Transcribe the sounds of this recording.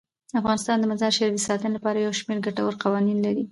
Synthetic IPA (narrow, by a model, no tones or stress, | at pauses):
afɣɑnɪst̪ɑnd̪əmazɑɾʃeɾd̪əsɑt̪ənɪlapɑɾajawʃmeɾɡaʈawəɾqawɑninlaɾi